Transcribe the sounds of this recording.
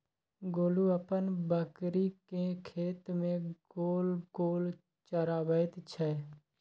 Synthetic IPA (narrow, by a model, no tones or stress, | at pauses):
ɡoːluəpənbəkɾikekʰeːt̪mẽɡ̥oːlɡoːl | t͡ʃəɾaːbət̪t͡ʃʰɛ